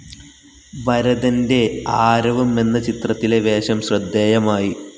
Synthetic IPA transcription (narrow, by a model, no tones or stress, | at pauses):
ʋɐɾɐðɐnde̞aːɾɐʋɐme̞nːɐt͡ɕit̪rɐt̪ːile̞ʋe̞ːɕɐmɕrɐd̪ːeːjɐmaːji